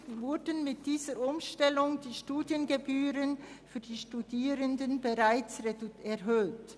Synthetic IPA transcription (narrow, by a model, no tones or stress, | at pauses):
vʊɾdənmɪt̚d̥iːzəʔʊmʃtɛlʊŋdiːʃtuːdjənɡebyːʁənfyːɐdiːʃtudiːʁəndənbeʁaɪt͡sɛɐɦøːt